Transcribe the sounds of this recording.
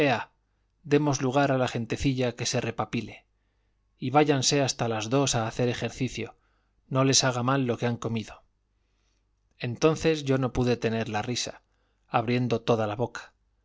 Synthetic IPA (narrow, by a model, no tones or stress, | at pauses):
e̞a | d̪e̞mo̞zluɣ̞aɾalaxe̞nt̪eθiʎake̞se̞re̞papile̞ | iβaʝanse̞ast̪alazðo̞saːθe̞ɾe̞xe̞ɾθiθjo̞̰ | no̞le̞saɣ̞amalːo̞keaŋko̞miðo̞ | e̞nt̪o̞nθe̞zʝo̞no̞puðe̞t̪e̞ne̞ɾlarisa̰ | aβɾje̞nd̪o̞t̪o̞ðalaβo̞kḁ